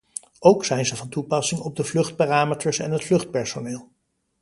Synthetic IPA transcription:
owksɛjnzəvɑntupɑsɪŋɔb̚dəvlɵχt̚paːraːmətəɹsɛ̰nɦətflɵχt̚pɛɹsonɪːlˠ

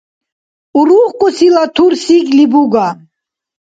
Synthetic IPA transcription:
uɾuχkʼusilat̪ʰuɾsiklibuɡa

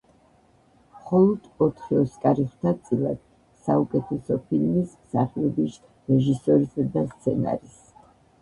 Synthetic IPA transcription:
mχɔlˠɔd̪̥ɔt̪ʰχiɔskʼaɾiχt̪ʰat̪sʼilˠa̰d̪̥ | saukʼɛt̪ʰɛsɔpʰilmis | saχiɔbis | ɾɛʒisɔɾisad̪ast̪sʰɛna̰ɾis

